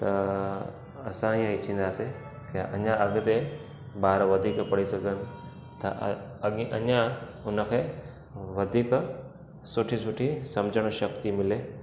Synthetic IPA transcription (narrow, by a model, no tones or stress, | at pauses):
t̪ɐ | ɐsãiːãɪt͡ɕʰĩːn̆d̪aːse | keʔɐ̰ɲãɐɠʊ̆t̪e | baːɾʋɐd̪ʱiːkpɐɽisɐɡʱənɪ̆ | t̪ɐ | ʔɐɲãʊnə̆kʰeː | ʋɐd̪ʱiːk | sʊʈʰisʊʈʰisɐ̃md͡ʑʱəɽ̃ʃɐkt̪imɪleː